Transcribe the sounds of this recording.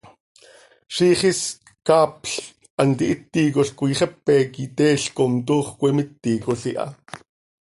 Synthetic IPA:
ʃiːχis | kɑːpɬ | ʔɑnt̪iʔit̪ːiːkoɬkujχɛpːɛkit̪ɛːɬkomt̪uːχkʷɛmit̪ːikoɬiʔɑ̰

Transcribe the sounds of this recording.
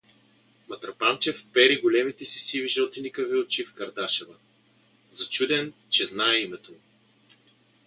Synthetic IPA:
mɐt̪ɾɐpant͡ʃɛfpɛɾiɡolɛmit̪ɛsi̥siviʒɛlˠt̪inikəviot͡ʃifkɐɾd̪aʃɛvə | zɐt͡ʃud̪ɛn | t͡ʃɛznaɛimɛt̪omi

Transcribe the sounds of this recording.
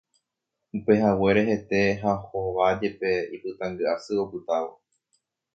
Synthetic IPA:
upe̞ɦawe̞ɾe̞ɦe̞t̪e̞ɦaho̞ʋad͡ʒe̞pe̞ipɨt̪ãŋɡɨasɨo̞pɨt̪aʋo̞

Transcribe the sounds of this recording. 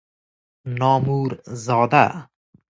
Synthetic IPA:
nɒːmuɾzɒːd̪a

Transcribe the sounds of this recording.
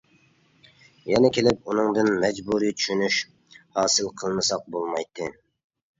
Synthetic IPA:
jɛnɛkʲelɪpunɨŋd̪ɨnmɛd͡ʒbuɾijt͡ʃ̪ʰy̥ʃynyʃ | hɑːsɨlˠqʰəlˠmɨsɑq̚bolˠmɑjt̪ʰːɨ

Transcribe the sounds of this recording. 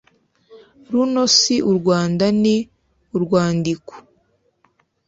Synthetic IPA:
ɾuno̞siʔuɾɡwaːndani | uɾɡwaːndiko̥

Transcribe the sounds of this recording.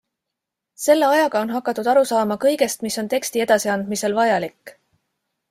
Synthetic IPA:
se̞lːe̞ɑjɑɡ̥ɑo̞nɦɑkːˑɑt̪ːˑud̪̥ɑɾusɑːmɑkɤ̞jɡe̞st̪miso̞nt̪e̞kst̪ie̞d̪̥ɑsiɑnd̪̥mise̞lvɑjɑlikːˑ

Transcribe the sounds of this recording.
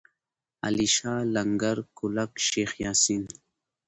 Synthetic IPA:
a̰liʃaːlaŋɡaɾkulakʃexjaːsin

